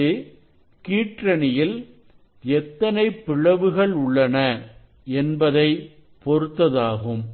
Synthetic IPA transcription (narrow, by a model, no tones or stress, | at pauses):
ɯ | kiːʈrɐnɪjɪl | ɛt̪ːɐnɐɪpːɪɻɐʋɯɣɐɭʊɭːɐnɐ | ɛnbɐðɐɪ | pɔɾɯt̪ːɐðaːɣɯm